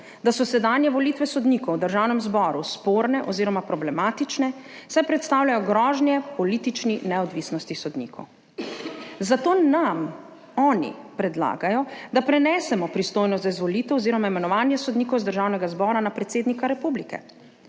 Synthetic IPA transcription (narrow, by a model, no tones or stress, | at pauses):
d̪asɔsɛd̪anjɛʋɔliːt̪ʋɛsɔd̪niːkɔwd̪əɾʒawnɛmzbɔːɾuspoːɾnɛʔɔziːɾɔmapɾɔblɛmaːt̪it͡ʃnɛsajpɾɛt̪st̪aːwlʲjajɔɡɾɔːʒnjɛpɔliːt̪it͡ʃninɛɔd̪ʋisnɔst̪isɔd̪nḭkʰɔ̰w | zat̪oːnam | ɔːnḭpɾɛd̪la̰ːɡajɔd̪apɾɛnɛːsɛmɔpɾist̪ojnɔst̪zaizʋɔliːt̪ɛwɔziːɾɔmaimɛnɔʋaːnjɛsɔd̪niːkɔwzd̪əɾʒaːwnɛɡazbɔːɾanapɾɛt̪seːd̪nikaɾɛpublikɛ̰